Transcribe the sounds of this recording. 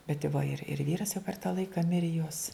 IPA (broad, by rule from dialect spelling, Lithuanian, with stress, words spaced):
bʲɛt ɪ ʋɐ ɪr ɪr ˈʋʲiːrɐs jɛʊ pʲɛr tɑː ˈlˠɐɪkɐ ˈmʲɪrʲɪ joːs